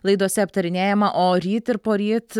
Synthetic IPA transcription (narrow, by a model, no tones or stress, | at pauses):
lˠɐɪd̪uɔsʲɛɐpt̪ɐɾʲɪnʲeːjɛmɐʔoːɾʲiːt̪ɪɾpoːɾʲiːt̪